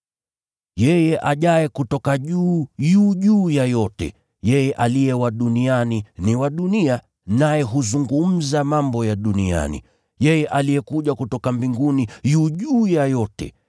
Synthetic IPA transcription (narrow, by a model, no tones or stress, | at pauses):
jɛjɛʔaʄajɛkutɔkaʄuːjuːʄuːjajɔtɛ̰ | jɛjɛʔalijɛwaɗunianiniwaɗunia | najɛɦuzuŋɡum̩zamambɔjaɗunia̰nḭ | jɛjɛʔalijɛkuʄakutɔkambiŋɡunijuːʄuːjajɔtɛ̰